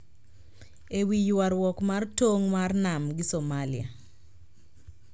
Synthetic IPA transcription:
ewijaɾwɔkmartoŋmarnamɡɪsomalɪa̰

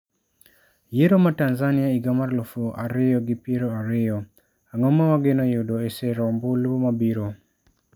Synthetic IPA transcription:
jeɾomatanzanɪaiɡamarlofoʔaɾɪjɔɡɪpiɾoaɾɪjɔ | aŋɔmawaɡɪnɔjʊdɔesɪɾɔmbʊlwomabiɾo

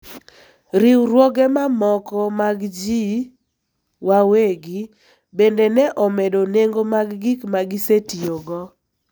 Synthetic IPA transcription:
ɾiwɾwoɡɛmamɔkɔmaɡd͡ʒi | waweɡɪ | bendenɛʔɔmɛdoneŋɡomaɡːikmaɡɪsetioɡɔ

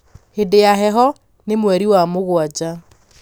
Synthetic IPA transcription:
hedejaɦɛɦɔ | nemwɛɾiwamoɣwad͡ʑa

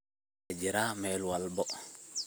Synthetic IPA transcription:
ɛd͡ʒiɾaːmɛlwalbɔ

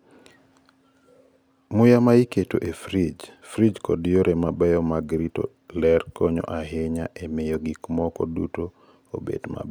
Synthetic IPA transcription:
mʊjamaiketoʔefɾid͡ʒfɾid͡ʒkɔ̰dijoɾʔemabɛjɔmaɡɾito̰ | lɛrkɔɲɔ̰ʔaɦɪɲaʔemejoɡikmɔkɔduto | o̰bḛdma̰b

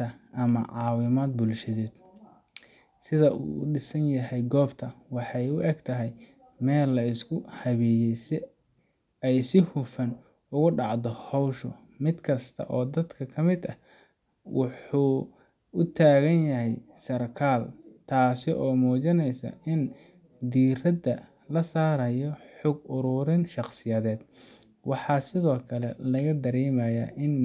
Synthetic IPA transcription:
ɐʔɐmɐ̰ʕɑːwɪmaːd̪̚bʊlʃɐðɛːd̪̥ | sɪðɐʔṵːɖɪsɐnjɐɦɛjɡɔːbt̪ʰɐwɑħɑjʊʔɛɡt̪ʰɐɦɛjmɛːlːɐɪskʰʊhɐβɛːjɛjs | ɛjsɪhʊfɐn | ʊɣʊɖɑʕd̪ɔhɔwʃɔ̰mɪd̪kʰɐst̪ʰɐ̰ʔɔːd̪ɐd̪kʰɐkʰɐmɪd̪ɐ | wʔɑħuː | ʊt̪ʰaːɣɐnjɐɦɛjsɐrkʰaːlt̪ʰaːsɪʔɔːmɔːt͡ʃɐnɛjsɐ̰ɪn | d̪iːrɐd̪ɐ | lɐsaːɾɐjɔħʊɡʊɾʊɾɪnʃɑqsɪjɐðɛːd̪ | wɑħɑːsɪðɔːkʰɐlɛ̰lɐɣɐd̪ɐɾɛːmɐjɐ̰ʔɪn

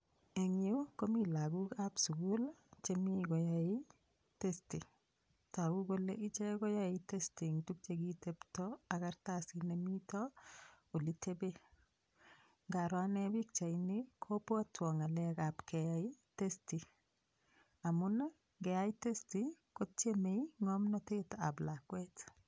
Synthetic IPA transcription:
eŋukomilaɡukapsuɡult͡ʃemiɡojai | testi | taɡuɡolḛʔit͡ʃeɡojaitestiŋtuk̚t͡ʃeɡiteptɔakartasinemitɔ | olitebe | ŋɡaɾwanɛbik̚t͡ʃainikʰopoatʰwɔŋalɛkapkɛjaitesti | amuna | ɡɛaitestikot̚t͡ʃemeiŋɔmnɔteta̰blakwet

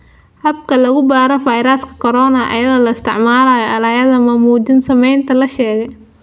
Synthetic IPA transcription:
hɐbkʰɐlɐɣʊbaːɾɐfɐjɾɐskʰɐ̥kʰɔɾɔːnɐʔɐ̰jɐðɔlɐɪst̪ʰɪʕmaːlaːjɔɐlɐjɐðɐmɐmuːt͡ʃɪnsɐmɛjnt̪ʰɐlɐʃɛːɣɛj

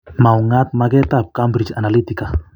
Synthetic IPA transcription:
mawŋat̪̚maɡɛt̪ap̚kambɾit͡ʃa̰nalit̪ika

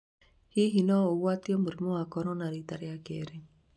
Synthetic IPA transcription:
hiɦinɔoɣwatiɔmoɾimɔwakɔɾɔnaɾitaɾjakeɾe

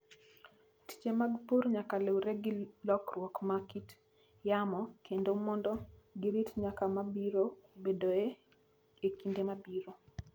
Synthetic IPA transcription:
ti̥t͡ʃemaɡpurɲakalewɾeɡilɔkrwɔkmakit | jamɔkʰendomɔndɔɡiɾitɲakamabiɾobedoe | ekindemabiɾo

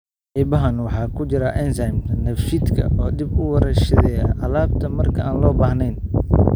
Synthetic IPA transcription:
ʔɪbɐɦɐnwɑħɑːkʰʊt͡ʃɪɾɐʔɛnsajmt̪ʰɐnɐfʃid̪kʰɐ̰ʔɔːd̪ibʊwɐɾɐʃɐðɛjɐʕɑlaːb̚t̪ʰɐmɐrkʰɐaːnlɔːbaːhnɛjn

